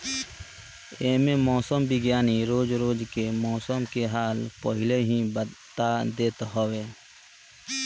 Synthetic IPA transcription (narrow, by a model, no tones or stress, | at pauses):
eːmemɔːsəmbɪɡjaːniɾoːd͡ʒɾoːd͡ʒkemɔːsəmkeɦaːlpəɦɪleɦĩbət̪ad̪eːt̪ɦɔweː